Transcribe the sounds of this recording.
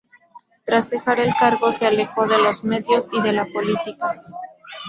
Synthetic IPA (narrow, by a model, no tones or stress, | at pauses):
t̪ɾazd̪e̞xaɾe̞lkaɾɣo̞seale̞xo̞ðe̞lo̞zme̞ðjo̞siðe̞lapo̞lit̪ika